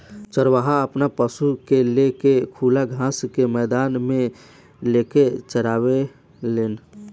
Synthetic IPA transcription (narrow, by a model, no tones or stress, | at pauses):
t͡ʃəɾʋaɦaəpnapəsukelekekʰuːlaɡʱãskemɛːd̪aːnmẽ | leket͡ʃəɾaːwe | leːn